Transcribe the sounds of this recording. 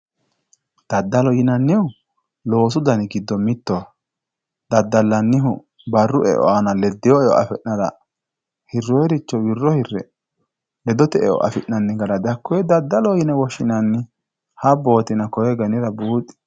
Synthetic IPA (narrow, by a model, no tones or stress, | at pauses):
d̪̥ɐd̪ːɐlɔjɪnɐnːɪwʊ | lo̞ːsʊd̪ɐnɪɡɪd̪ːɔmɪt̪ːɔ | d̪̥ɐd̪ːɐlːɐnːɪɦʊ | bɐrːʊʔɛ̰ʔɔ̰ʔɐnɐlɛd̪ːɪjɔɛɔ̰ʔɐ̰fɛʔnɐɾɐ̰ | hɪrːɔɛɾɪt͡ʃːɔwɪrːɔhɪrːɛ̰ | lɛd̪ɔt̪ɛɛʔɔ̰ʔɐ̰fɪʔnɐnːɪɡɐɾɐd̪ɐkʰːɔjɛd̪ɐd̪ːɐlɔjɪnɛwɔʃɪnɐnːɪ | hɐbo̞ːt̪ɪnɐkɔjɛɡɐnɪɾɐbuːt̪ʼːɪ̥